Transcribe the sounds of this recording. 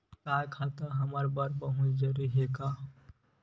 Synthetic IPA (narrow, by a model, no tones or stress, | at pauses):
kaːkʰaːt̪aɦɐmaɾbaɾbɐɦʊt͡ʃzəɾiɦeka